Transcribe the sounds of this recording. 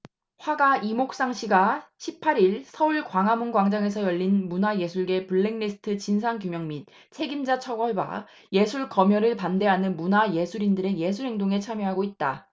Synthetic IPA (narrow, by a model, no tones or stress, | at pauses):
ɸwaɡaimok̚s͈aŋɕʰiɡaɕʰipʰːaɾiɭsʰʌuɭkwaŋɦamunɡwaŋd͡ʑaŋe̞sʰʌjʌʎːinmunaje̞sʰuɭɡe̞puɭːeŋnisʰɯ̥tʰɯt͡ɕins̬ʰaŋkjumjʌŋmit̚ | t͡ɕʰe̞ɡimd͡ʑat͡ɕʰʌɡʌɭba̰ | je̞sʰuɭkʌmjʌɾɯɭpande̞ɦanɯnmunaje̞sʰuɾindɯɾe̞je̞sʰuɾɦe̞ŋdoŋe̞t͡ɕʰamjʌɦaɡoit̚t͈a